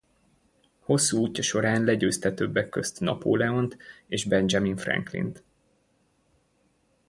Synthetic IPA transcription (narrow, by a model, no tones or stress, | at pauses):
ho̞sːuːuːcːɒʃo̞ɾaːnlɛɟøːst̪ɛt̪øbːɛkːø̞st̪nɒ̰po̰ːlɛo̞nt̪eːʒbɛnd͡ʒɒminfrɛ̰ŋklḭnt̪